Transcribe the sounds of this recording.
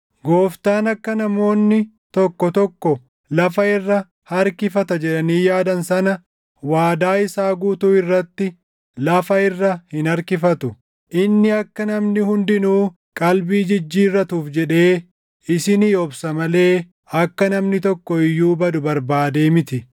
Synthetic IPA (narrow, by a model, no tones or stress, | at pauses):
ɡoːft̪aːnɐkːɐnɐmo̞ːnːɪ | t̪ɔkːɔt̪ɔkːɔ | lɐfɐɪrːɐ | hɐɾkɪfɐt̪ɐd͡ʒɛᶑɐniːjaːd̪ɐnsɐnɐ | waːd̪aːɪsaːɡuːt̪uːɪrːɐt̪ːɪ | lɐfɐɪrːɐhɪnɐɾkɪfɐt̪ʊ | ʔɪnːɪɐkːɐnɐmnɪhʊnd̪ɪnuː | kʼɐlbiːd͡ʒɪd͡ʒːiːrːɐt̪uːfd͡ʒɛᶑe̞ː | ɪsɪnɪjɔbsɐmɐle̞ː | ɐkːɐnɐmnɪt̪ɔkːɔɪjːuːbɐd̪ʊbɐɾbaːd̪e̞ːmɪt̪ɪ